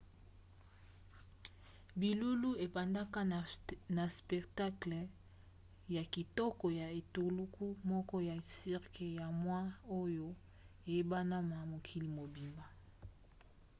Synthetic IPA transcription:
bi˨lu˦lu˦e˨pa˨nda˦ka˦na˨spɛ˨kta˦klɛ˨ | ja˨ki˨tɔ˦kɔ˨ja˨e˨to˨lu˦kʰu˦mɔ˦kɔ˦ja˨si˦ʁkʰe˨ja˨mwa˦o˦jo˦ | e˨je˦ba˦na˦ma˨mo˨kʰi˨li˨mo˨bi˨mba˨

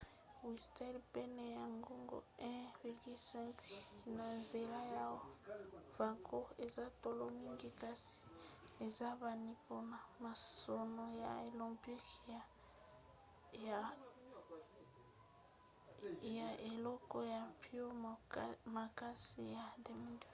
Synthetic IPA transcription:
wi˨stɛ˦lpɛ˦ne˨ja˨ŋɡo˦ŋɡo̰˦ɛ̃˦vi˨ʁɡi˦lsɛ̃˦ŋkna˨nze˨la˦ja˦wa˦v̥a˨ko˦e˨za˦to˨lo˦mi˦ŋɡi˦ka˦si̥˨e˨za˦βa˨ni˦po˦na˨ma˨so˨no˨ja̰˨e˨lɔ̃˨mpi˦ka˨ | j | ja˨e˨lɔ˦kɔ˦ja˨mpi˦o˦ | ma˨ka˦si˨ja˨de˨mi˦nd

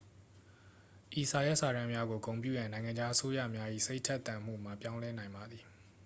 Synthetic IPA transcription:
ʔi˨sa˨ja˦ʔsa˨ɾã˦mja˦ɡo˨kõ˨ʊ̃mp̬jṵ˦˨jã˨nã˨ɪ̃ŋã˨ɲd͡ʑa˦ʔəso˦jä̰˦˨mja˦ʔḭ˦˨se˦ɪtʰɛ˦ʔt̪ã˨m̥ṵ˦˨m̥a˨pjã˦ʊ̃lɛ˦nã˨ɪ̃mba˨d̪ði˨

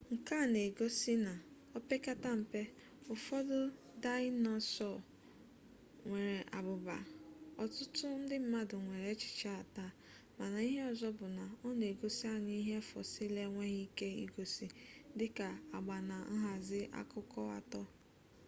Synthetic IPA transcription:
ŋ̩˨ka˦˨ne˨ɡo˦si˦na˨ | ɔ˦pe˦ka˦ta˦m̩˨pe˦ | ʊ˨fɔ˦dʊ˦ | da˦ɪ˦nɔ˦sɔ˦˨ | ŋʷe˨ɾe˨ʔa̰˨bʊ˨ba̰˨ɔ˨tʊ˦tʊ˦n̩˦dɪ˦m̩˦ma˦dʊ˨ŋʷe˨ɾe˨˦t͡ʃɪ̥˨t͡ʃa˦a˨ta˦˨ | ma˨na˨i˦ɦe˦ɔ˨zɔ˦bʊ˨na˨ɔ˦n˨e˨ɡo˦si˦a˦ɲi˦i˦ɦe˦fɔ̰˨sɪ˦le˦ŋʷe˦ɦi˦ke˦ḭ˦ɡo˦si˦dɪ˦ka˨a˨ɡ͡ba˨na˨n̩˦ɦa˨zɪ˦ʔa̰˦kʊ˦kɔ˦a̰˨tɔ˦

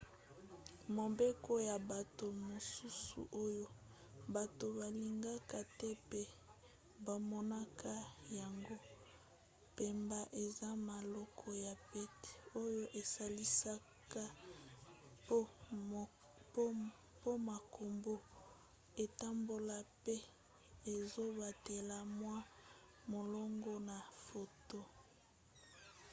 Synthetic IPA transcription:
mo˨be˦ko˦ja˨ba˨to˨mo˨su˦sṵ˨ʔo˦jo˦ | ba˨to˨ba˨li˨ŋɡa˦ka˦tɛ˦pe˦ | ba˨mɔ˦na˦kʰa˦ja˨ŋɡo˦ | pe˨mba˦ʔe˨za˦ma˨lɔ˦kʰɔ˦ja˨pɛ˦te̥˨o˦jo˦ʔe˨sa˨li˦sa˦ | ka˦ | po˦ma˨kʰo˨mbo˦ | e˨ta˦mbo˨la˨pɛ˦ | e˨zo˦ba˨te˨la˨mwa˦ | mo˨lɔ˦ŋɡɔ˦na˨fo˨to˦

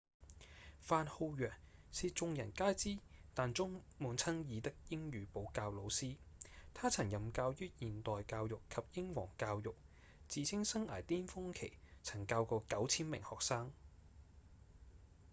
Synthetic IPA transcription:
faː˧nho˧wjœː˨˩ŋ̚siː˨˧t͡sʊ˧ŋjɐ˨˩nkaː˥jt͡siː˥t̪aː˨nt͡sʊ˥ŋmuː˨˧nt͡sʰɐ˥ŋjiː˨˧t̪ɪ˥k̚jɪ˥ŋjyː˨˧po˨˥wkaː˧wlo˨˧wsiː˥t̪ʰaː˥t͡sʰɐ˨˩ŋjɐ˨mkaː˧wjyː˥jiː˨nt̪ɔː˨jkaː˧wjʊ˨˩kʰɐ˨p̚jɪ˥ŋwɔ̰ː˨˩ŋkaː˧wjʊ˨k̚ | t͡siː˨t͡sʰɪ˥ŋsɐ˥ŋa̰ː˨˩jt̪iː˥nfʊ˥ŋkʰe˨˩jt͡sʰɐ˨˩ŋkaː˧wkɔː˧kɐ˨˥wt͡sʰiː˥nmɪ˨˩ŋhɔː˨k̚saː˥ŋ

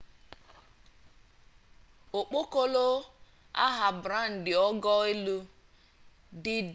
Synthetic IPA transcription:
o˨k͡po˦ko˦lo˦ | a̰˦ɦa˨bɾa˦n̩˨dɪ˨ɔ˦ɡɔ˦e˦lu˦ | dɪ˦

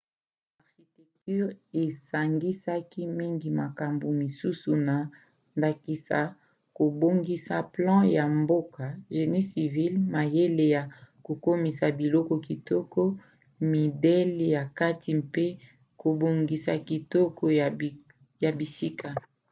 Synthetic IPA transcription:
a˨ʁʃi˨tɛ˨k̚ty˦ʁe˨sa˨ŋɡi˦sa˦ki˦mi˦ŋɡi˨ma˨ka˨mbo˨mi˨su˦su˨na˨ | nda˨ki˨sa̰˨ | ko˨bo˦ŋɡi˦sa̰˨plɑ̃˦ja˨mbo˦ka˨ʒe˨ni˦si˨vi˦lma˨je˦le˨ja˨ko˨ko˦mi˨sa˨bi˨lɔ˦kɔ˨ki˨tɔ˦kɔ˦ | mi˨de˦le˨ja˨ka˦ti˨pe˦ | ko˨bo˨ŋɡi˨sa̰˨ki˨tɔ˦kʰɔ˦˨ | ja˨bi˨si˦ka˨

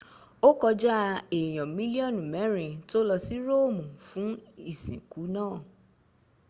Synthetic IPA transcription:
o˦kɔ˧d͡ʒa˦˧e˨j̃ɔ̃˨mĩ˦li˦ɔ˦˨nũ˨mɛ̃˨˦ɾĩ˧to˦lɔ˧si˦ɾo˦˨mũ˨fũ˨˦i˦˨sḭ̃˨ku˨˦nãː˦˨

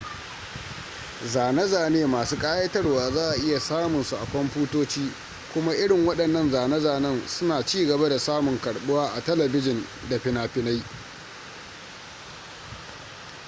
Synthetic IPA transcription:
zaː˨nɐ˦zaː˨neː˦maː˨suː˦kʼaː˦jɐ˦tɐ˦rwaː˨zaː˦˨ʔa˨ʔɪ˦ja˨saː˦mʊ˨nsu˨ʔa˨kʷɔ˦mɸuː˦toː˦t͡ʃiː˦ | kʷʊ˦ma˦ʔɪ˦ɽɪ˨ŋwɐ˦ɗɐ˨nːɐ˦nzaː˨nɐ˦zaː˨nɐ˦nsʊ˦naː˨t͡ʃiː˦ɡɐ˨ba˦da˨saː˦mʊ˨ŋkɐ˨ɽɓʊ˦waː˦ʔa˨tɐ˦lɐ˨bɪ˦d͡ʒɪ˨n | da˨ɸɪ˦naː˦ɸɪ˦na˦j

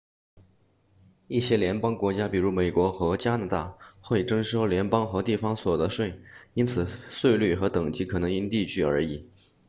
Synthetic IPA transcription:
i˥˩ɕjɛ˥ljɛ˧˥npɑ˥ŋkwɔ˧˥t͡ɕja˥pi˨˩ɻu˧˥me˨˩ɪkwɔ˧˥xɤ˧˥t͡ɕja˥na˧˥t̪a̰˥˩xwe˥˩ɪʈ͡ʂɤ˥ŋʂo˥ʊljɛ˧˥npɑ˥ŋxɤ˧˥t̪i˥˩fɑ˥ŋswɔ˨˩d̪ə˦ʂwe˥˩ɪi˥nt͡sʰɹ̩˨˩swe˥˧ɪly˥˩xɤ˧˥t̪ɤ˨˩ŋt͡ɕi˧˥kʰɤ˨˩nɤ˧˥ŋi˥nt̪i˥˧t͡ɕʰy˥˩ə̰˞˧˥i˨˩˦

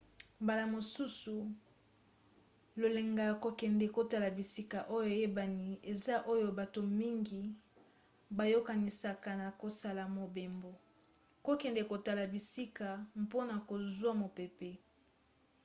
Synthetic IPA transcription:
mba˨la˨mo˨su˦su˨ | lo˨le˨ŋɡa˨ko˨kɛ˨ndɛ˨ko˨ta˦la˨bi˨si˦ka˨ʔo˦jo˦˨e˨je˦ba˨ni˨e˨za˦ʔo˦jo˦ba˨to˨mi˦ŋɡi˨ | ba˨jo˦ka˨ni˨sa˨ka˨na˨ko˨sa˨la˨mo˨be˨mbo˨ | ko˦kɛ˨ndɛ˨ko˨ta˨la˨bi˨si˦ka˨mpo˦na˨ko˨zwa˦mo˨pe˨pe˦

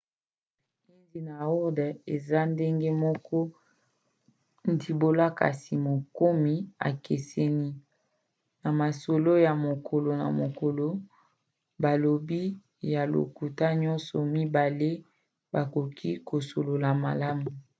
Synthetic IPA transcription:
e˦nzi˨na˨ɔ˦ʁde˨za˦nde˦ŋɡe˦mɔ˦kɔ˦ | n˨di˨bo˦la˦ka̰˨si˨mo˨ko˦mi˦a̰˨kʰe˨sɛ˦ni˦ | na˨ma˨so˨lo˦ja˨mo˨kʰo˨lo˨na̰˨mo˨ko˨lo˦ | ba˨lo˨bi˦ | ja˨lo̰˨ku˨ta˦ɲɔ˦nsɔ˨mi˦ba˨le˦ | ba˨ko˨kʰi˦ko˨so˨lo˨la˨ma̰˨la˦mu˨

